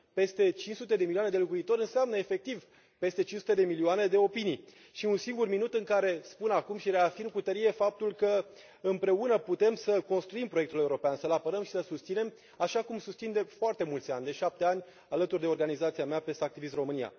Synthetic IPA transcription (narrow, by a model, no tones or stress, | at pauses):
pe̞st̪e̞t͡ʃint͡ʃsut̪e̞d̪emiliane̞d̪e̞lokuit̪o̞ɾʲɨnseamnəefe̞k̚t̪iv | pe̞st̪e̞t͡ʃinʃsut̪e̞d̪e̞milioane̞d̪e̞o̞pinij | ʃiunsiŋɡurminut̪ɨŋkaɾe̞spunakumʃiɾe̞afirmkut̪əɾije̞fap̚t̪ulkə | ɨmpɾe̞unəput̪e̞msəko̞nst̪ɾuimpɾojekt̪ule̞uɾo̞peansəlapəɾəmʃi̥səsust̪sine̞m | aʃakumsust̪sind̪e̞foart̪e̞mult̪sʲanʲd̪e̞ʃap̚t̪e̞anʲ | alət̪urd̪e̞o̞rɡanizat̪siameape̞st̪ak̚t̪ivis̬t̪ro̞mɨnija̰